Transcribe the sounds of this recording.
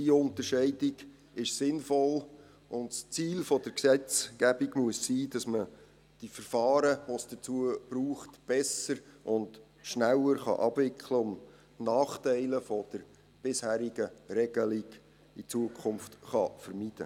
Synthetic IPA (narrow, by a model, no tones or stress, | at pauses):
diʊntəɾʃɛɪdɪɡ | ɪʃsɪnfɔl | ʔʊndst͡siːlfɔd̥əɾksɛt͡skæb̥iɡmuəssiːd̥ɑsmə | d̥ifəɾfɑːɾəʋosd̥ət͡suəb̥ɾuːχtb̥ɛsəɾʔʊnd | ʃnælːəɾχɑ̰ʔɑbvɪkχləʊm | nɑːχtɛɪləfɔd̥əɾ | b̥ɪshæːɾiɡəɾɛɡ̥əliɡ | it͡suəkʰχʊmftχɑfəɾmid̥ə̰